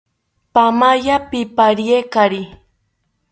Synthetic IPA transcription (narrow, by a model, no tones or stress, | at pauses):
pamajapipaɾiekaɾi